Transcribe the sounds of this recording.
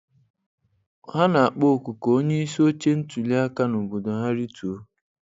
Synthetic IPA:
ha˦na˨a˨k͡po˦˨ku˨ko˨o˦ɲe˦i˦so˦t͡ʃe˦n̩˦tu˨li˦a˦ka˦nʊ˨bo˨do˨ɦa˦ɾi˦tu˨o˦

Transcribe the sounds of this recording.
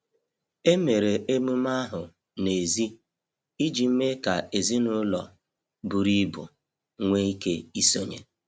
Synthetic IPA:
e˦me˨ɾe˨ʔe˦mu˦m˦a˦ɦʊ˨ | ne˨zi˦ | i˦d͡ʒi˨m̩˦me˦ka˨e˨zi˦nʊ˦lɔ̰˨ | bu˨ɾi˦bʊ̰˨ | ŋʷe˦i˦ke˦i˦so˦ɲḛ˨

